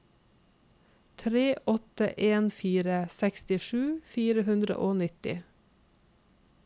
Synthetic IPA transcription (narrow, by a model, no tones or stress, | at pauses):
t̪ʰɾeːʔɔt̪əʔeːnfiːɾəsɛkst̪ɪʃʉːfiːɾəhʉnd̪ɾə̰ʔoːnɪt̪ɪ̰